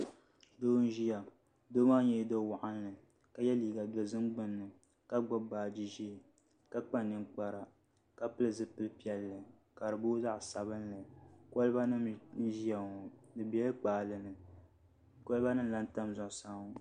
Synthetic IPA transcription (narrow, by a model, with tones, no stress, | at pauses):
doː˦n̩˦ʒi˦ja˨ | do˦maː˦ɲɛ˦do˦wa˨ʔa˦n˦lɨ˨ | ka˨jɛ˦liː˨ɡa˨dɔ˨zɨ˦mɡ͡bɨ˦nːɨ˨ | ka˦ɡ͡bɔ˦baː˨d͡ʒi˦ʒe˦˨ | ka˦k͡pa˦nɨ˦nk͡pa˨ɾa˨ | ka˦pɨ˦lɨ˨zɨ˦pɨ˦lpi˦ɛ˨lːɨ˨ | ka˨ɾɨ˨bo˦za˦ʔsa˨βɨ˦nlɨ˨ko˦lba˦nɨ˦mn̩˦ʒi˦ja˨ŋɔ˨dɨ˨bɛ˦lɨ˦k͡paː˨lɨ˨nɨ˨ | ko˦lba˦nɨ˦m˦la˦n˦ta˦mzɔ˨ʔsaː˦ŋ˦